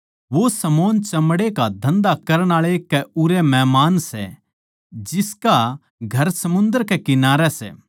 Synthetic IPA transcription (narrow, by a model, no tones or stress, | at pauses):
ʋosɐmoːnt͡ʃɐmɽekad̪ʱɐ̃nd̪akɐɾəɽ̃aːɭekɛʊɾɛmɛɦmaːnsɛ̰ | d͡ʒɪska | ɡʱɐɾsɐmʊ̃nd̪əɾkɛkɪnaːɾɛsɛ̰ː